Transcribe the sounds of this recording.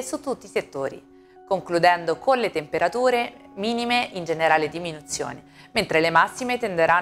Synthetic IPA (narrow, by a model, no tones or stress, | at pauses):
sut̪ːut̪ːiːset̪ːoːɾḭ | koŋklud̪ɛnd̪okonlet̪empeɾat̪uːɾemiːnimeʔind͡ʒeneɾaːled̪iminut̪sːjo̰ːnement̪ɾelemasːimet̪end̪eɾa